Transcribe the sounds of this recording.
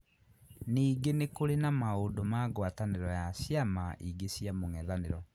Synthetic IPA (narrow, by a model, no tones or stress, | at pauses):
niːɡenekoɾenamaondomaɡwataneɾɔjasjamaʔiɡesjamoŋɛðaneɾɔ